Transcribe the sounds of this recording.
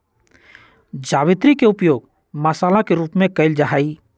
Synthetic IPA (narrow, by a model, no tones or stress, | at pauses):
d͡ʒaːʋɪt̪ɾikeʊpjoːɡ | məsaːlakeɾuːpmẽkəɪld͡ʒaɦaːiː